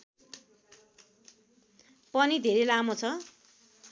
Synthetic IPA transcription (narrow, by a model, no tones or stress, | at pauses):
pʌnid̪ʱeɾejlamot͡sʰʌ